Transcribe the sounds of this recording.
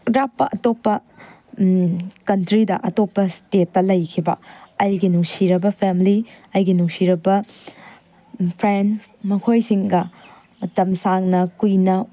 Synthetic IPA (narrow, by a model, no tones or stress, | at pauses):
ɾapːɐʔɐtopːɐ | kɐntɾidɐʔɐtopːɐstetːɐlɐjkʰibɐ̰ɐjɡinuŋsiɾɐbɐpʰemli | ɐjɡinuŋsiɾɐbɐ | pʰɾensmɐkʰojsiŋɡɐ | tɐmsaŋnɐkujnɐ